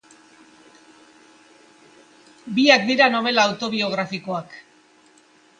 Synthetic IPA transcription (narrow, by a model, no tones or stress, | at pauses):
biak̚d̪iɾano̞β̞e̞laːwt̪o̞β̞io̞ɣ̞ɾafiko̞ak